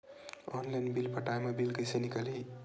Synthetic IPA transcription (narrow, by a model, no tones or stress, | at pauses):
ɔnlajnbilpʰəʈajmebilkəjsenikəli